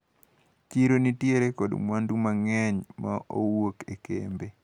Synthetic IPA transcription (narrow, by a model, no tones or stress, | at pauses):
kiɾonitjeɾekɔdmwandumaŋɛɲmao̰wokekḛmbe